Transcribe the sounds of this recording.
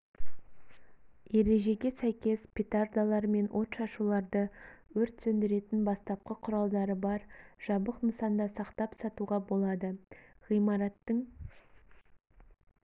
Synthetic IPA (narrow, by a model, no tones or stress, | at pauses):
e̞ɾe̞ʒe̞ɡʲe̞sæjkʲe̞spʲit̪ard̪alˠɑɾme̞nwʔo̞t̪ʃɑʃulˠɑɾd̪əwɵɾt̪sɵnd̪ɪɾe̞t̪ɪnbɑst̪ɑp̚qəqʰʊɾɑlˠd̪ɑɾəbɑɾʒ̥ɑbəqməsɑnd̪ɑsɑqt̪ɑpsɑt̪uʁɑbo̞lˠɑd̪əʁijmɑɾɑt̪ːəɴ